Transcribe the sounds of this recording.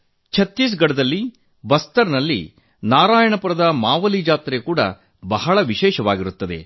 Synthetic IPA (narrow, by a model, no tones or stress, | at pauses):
t͡ʃʰɐt̪ːis̬ɡɐɽɐd̪ɐlːi | bɐst̪ɐɾnɐlːḭ | naːɾaːjɐɳɐpɐɾɐd̪ɐmaːʋɐlid͡ʒaːt̪ɾekuːɽɐ̰ | bɐɦɐɭɐʋiʃɛːʃɐʋaːɡiɾut̪ːɐd̪e̞̰